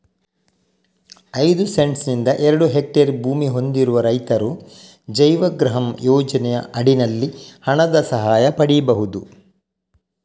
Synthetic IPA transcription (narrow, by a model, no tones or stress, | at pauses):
ɐjd̪use̞ɳʈsnind̪ɐʔeɾɐɽuɦek̚ʈɐɾbʱuːmiɦo̞nd̪iɾuʋɐɾɐjt̪ɐɾu | d͡ʒɐjʋɐɡɾɐɦɐmjɔːd͡ʒɐnɛjɐɐɽinɐlːihɐɳɐd̪ɐsɐɦaːjɐpɐɽijɐbɐɦud̪u